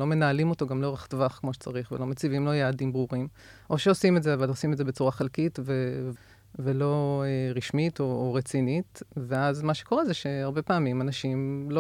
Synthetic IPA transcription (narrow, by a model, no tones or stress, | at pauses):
lo̞me̞naːlimo̞to̞ɡamloʁaχt̪vaχkmo̞ʃe̥t͡saʁiχvelo̞met͡sivimlo̞jaːdimbʁuʁim | ʔo̞ʃeosimetdzeavalosimetzebet͡suʁaχelkitvev | velo̞eʁiʃmito̞ːʁet͡sinit̪veazmaʃe̥ko̞ʁezeʃeaʁbe̞paːmimanaʃimlo